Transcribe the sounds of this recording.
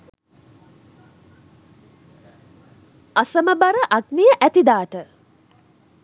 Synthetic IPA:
asəməbaɾəʔaɡnijəʔæt̪id̪aːʈə

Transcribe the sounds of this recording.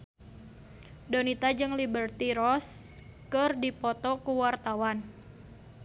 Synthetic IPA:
donit̪ad͡ʒɨŋlibərt̪iɾɔskɨrdipɔt̪ɔkuwart̪awan

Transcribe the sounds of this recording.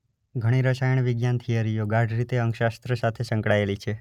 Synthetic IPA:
ɡʱəɽ̃iɾəʃajəɳ̃ʋɪɡjant̪ʰijaɾijoɡaɖɾit̪eəŋkʃast̪ɾəsat̪ʰesə̃ŋkɽaelit͡ʃʰe

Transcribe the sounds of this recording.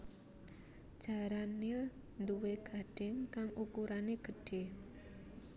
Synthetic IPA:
d̥d͡ʒ̥a̤ɾanil | nd̪uweɡ̥a̤ɖ̥ɪ̤ŋkaŋʔukuɾaneɡ̥ə̤ɖ̥e

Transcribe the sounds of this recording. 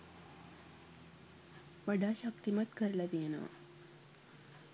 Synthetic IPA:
ʋəɽaɕəkt̪imət̪kəɾlad̪ena̰

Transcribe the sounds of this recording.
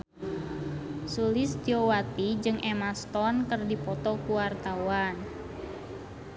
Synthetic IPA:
sulɪst̪iowat̪id͡ʒɨŋʔɛmast̪ɔnkərdipɔt̪ɔkuwart̪awan

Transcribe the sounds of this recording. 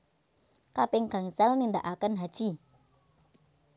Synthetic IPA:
kapɪŋka̤ŋsɛlnind̪aʔakənɦad̥ʒ̥i

